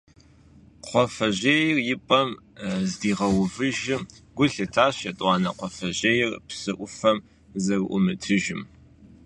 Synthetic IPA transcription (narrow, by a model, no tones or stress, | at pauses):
qʷɔfɐʑeːjɪrjɪpʼɐmzdiːʁɐwvɨʒɪmɡʷʊɬɨtʰaːɕɐtʼwɑːnɐqʷɔfɐʑeːjɪrpsɨʔʷʊfɐm | zɐrʔʷʊ̰mɨtʰɨʒɪm